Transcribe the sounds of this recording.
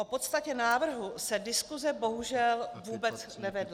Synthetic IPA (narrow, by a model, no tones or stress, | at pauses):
ʔopo̞t̪st̪acɛnaːvr̩ɦusɛdɪskuzɛbo̞ɦuʒɛlvuːbɛt͡snɛvɛdla